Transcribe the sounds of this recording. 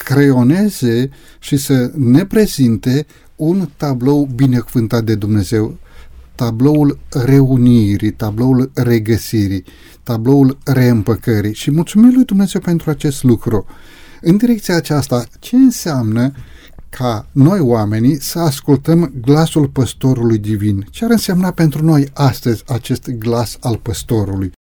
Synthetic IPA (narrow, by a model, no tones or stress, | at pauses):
kɾe̞o̞ne̞ze̞ | ʃisəne̞pɾe̞zint̪e̞ | unt̪ablo̞wbine̞kuvɨnt̪at̪̚d̪e̞d̪umne̞ze̞wt̪ablo̞ulre̞uniɾit̪ablo̞ulre̞ɡəsiɾi | t̪ablo̞ulre̞ɨmpəkəɾiʃimult̪sumimlujd̪umne̞ze̞wpe̞nt̪ɾuat͡ʃe̞st̪lukɾu | ɨnd̪iɾe̞k̚t̪siaːt͡ʃast̪at͡ʃe̞ɨnseamnə | kʰano̞joame̞nisəaskult̪əmɡlasulpəst̪o̞ɾulujd̪ivint͡ʃeaɾɨnsemnape̞nt̪ɾuno̞jast̪əzʲat͡ʃe̞st̪ɡlasalpəst̪o̞ɾuluj